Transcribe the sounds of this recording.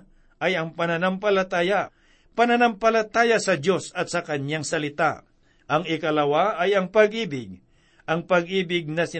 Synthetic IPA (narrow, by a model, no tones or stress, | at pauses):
ʔɐjɐŋpɐnɐnampɐlɐt̪aːja | pɐnɐnɐmpɐlɐt̪aːjɐsɐdo̞sɐt̪̚sɐkɐnjaŋsɐlɪt̪a | ʔɐŋɪkɐlɐwaʔɐjɐŋpɐɡ̚ʔiːbɪɡ̚ | ʔɐŋpɐɡ̚ʔiːbɪɡ̚nɐsɪ